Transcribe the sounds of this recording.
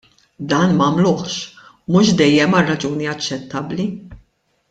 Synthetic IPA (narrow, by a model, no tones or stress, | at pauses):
d̪ɐːnmɐːmlʊːħʃ | mʊʃd̪ɛjːɛmɐrːɐd͡ʒuːniɐt͡ʃːɛt̪ːɐbli